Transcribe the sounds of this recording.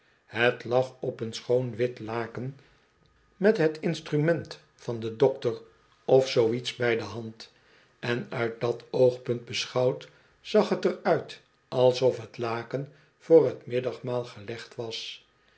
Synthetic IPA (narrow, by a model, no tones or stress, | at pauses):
ɦətlɑχɔpənsχownʋɪtlaːkən | mɛtɦətɪnstrymɛnt | fɑndədɔktər | ɔfsowitsbɛjdəɦɑnt | ɛnœɥt̚dɑtowχpɵnt̚bəsχɑwt | z̥ɑχɦətərœɥt | ʔɑlˠsɔfɦətlaːkən | v̥ʊːrɦətmɪdɑχmaːlˠχəlɛχtʋɑs